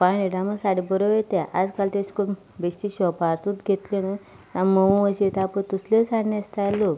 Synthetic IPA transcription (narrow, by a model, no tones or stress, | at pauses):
paniɖaməsaɽebəɾoʋet̪aʔad͡zkalt̪esku | beɕt̪iɕɔpaɾsud̪ɡʱet̪lena | t̪aməũʋəɕit̪apət̪uslesaɳːest̪alo